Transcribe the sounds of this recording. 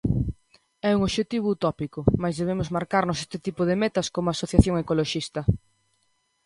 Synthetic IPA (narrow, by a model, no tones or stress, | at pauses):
ɛuŋoβʃet̪iβ̞ʊut̪ɔpikʊmajzðeβemʊzmaɾkaɾnʊsest̪ɪt̪ipʊðemɛt̪ɐskomʊasoθjaθjoŋekoloʃist̪ɐ